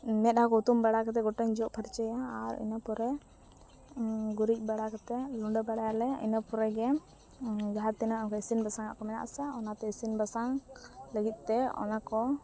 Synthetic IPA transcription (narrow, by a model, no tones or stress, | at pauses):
nɛt̪̚ˀɦakɔut̪umbaɽakat̪̬ɛɡɔʈəɲd͡ʒɔʔpʰəɾt͡ʃəjaːɾɛ̰napɔɾɛ | ɡuɾic̚ˀbaɽakat̪ɛluɳɖəbaɽajalɛḭnəpɔɾɛɡɛ | ɡaɦat̪inaʔmkɔisinbasaŋaʔkɔmɛna̰ʔsaɔnat̪ɛisinbasaŋləɡit̪̚ˀt̪ɛɔ̰nakɔ